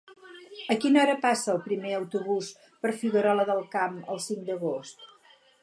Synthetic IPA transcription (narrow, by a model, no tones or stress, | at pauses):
əkinɔɾəpasəːlˠpɾimeəwt̪uβus | pəɾfiɣəɾɔləðəlˠkamə̰lˠsiŋd̪əɣost̪